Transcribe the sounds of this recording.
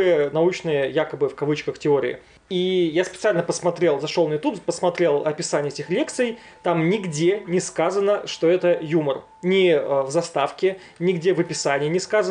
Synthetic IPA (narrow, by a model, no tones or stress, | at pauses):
ənɐut͡ɕnɨjəjakəbɨfkɐvɨt͡ɕkəxtʲɪoɾʲɪ̰ɪ̰ | ijaspʲɪt̪sɨalʲnəpəsmɐt̪ɾʲe̞lˠzɐʂolˠnəjʊt̪uppəsmɐt̪ɾʲe̞lˠɐpʲɪsanʲɪjəɛtʲɪxlʲe̞k̚t̪sɨj | t̪amnʲɪɡdʲenʲɪskazənəʂt̪oɛt̪əjumər | nʲɪvzɐst̪afkʲɪ | nʲɪɡdʲevəpʲɪsanʲɪjənʲɪskazə